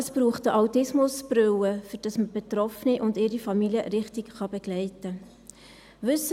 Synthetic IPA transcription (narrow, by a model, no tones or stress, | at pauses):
əsb̥ɾuːχtəʔaʊtɪsmʊsb̥ɾøwəfyɾd̥ɑsməb̥etɾɔfniʔʊndɪɾifɑmiljəɾɪχtikχɑbeɡ̥lɛɪtə | ʋʏs